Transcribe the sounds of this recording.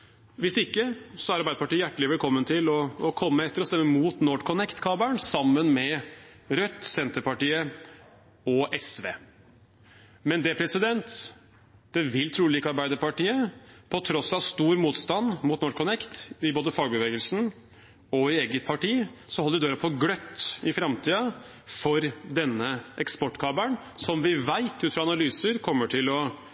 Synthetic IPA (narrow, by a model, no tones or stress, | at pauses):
ʋɪsɪkːəsɔæɾɑɾbæɪəpʰɑʈiːəjæʈːəlɪʋɛlkʰɔmːənt̪ʰɪlɔːkʰɔmːəɛt̪ːəɾɔst̪ɛmːəmuːt̪nɔɖkʰɔnɛkt̪kʰɑːbæɳsɑmːənmɛ | ɾœt̪ːsɛnt̪əɾpɑʈiːə | ɔʔɛsʋḛː | mɛnd̪ɛpʰɾɛsɪd̪ɛnt̪ | d̪̥ɛʋɪlt̪ʰɾuːliːkɑɾbæɪd̪əɾpɑʈiːəpʰɔt̪ʰɾɔsːɑʋst̪uːɾmuːt̪st̪ɑnd̪muːt̪nɔɾkʰɔnɛkt̪ɪboːd̪əfɑːɡ̚bəʋeːɡəlsn̩ | ɔɪeːɡət̪̚pʰɑʈiːsɔhɔləɾd̪øːɾəpʰɔɡɽœt̪ːɪfɾɑmt̪ʰiːɑ | fɔɾd̪ɛnːəʔɛkspɔʈːkʰɑːbəɳ | sɔmʋɪʋæɪt̪ʉːt̪fɾɑɑnɑlyːsəɾkʰɔmːəʈʰɪlɔ